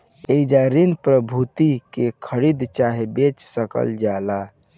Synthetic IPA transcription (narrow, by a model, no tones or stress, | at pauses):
eid͡ʒaɾinpɾəbʱut̪ikekʰəɾid̪t͡ʃaɦebet͡ʃsəkə̰ld͡ʒala